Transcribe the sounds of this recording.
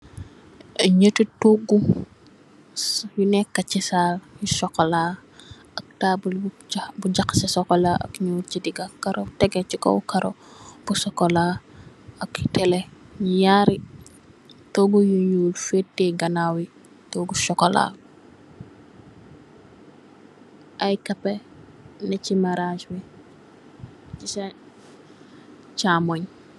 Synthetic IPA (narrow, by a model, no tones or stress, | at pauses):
ɐɲətituɡu | junɛkːɐcisaːljisɔkːɔlaː | ɐk̚taːbul | buɟakːsɛsɔkɔlaʔɐ̰kɲuːɾcidiɡakɐɾotɛɡɛt͡ʃikɔ̰wkɐɾo̰b̥usɔkɔlaː | ɐktɛlɛjaɾi | tɔɡujuɲuːlfetːɛɡɐnaːwi | toɡuʃɔkɔla̰ː | ʔɐjkɐpːɛ | nɐcimaɾaʃwi | t͡ʃisa | t͡ʃaːmoɲ